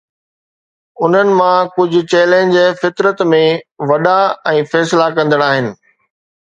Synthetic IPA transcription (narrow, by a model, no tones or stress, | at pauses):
ʊn̤ənɪ̆mãkʊd͡ʑʱʊ̆t͡ɕɛːlẽɲd͡ʑfɪt̪ɾət̪mẽʋɐɗaɛ̃ːfɛːslakɐ̃nd̪əɽ̃aːɦɪnɪ̆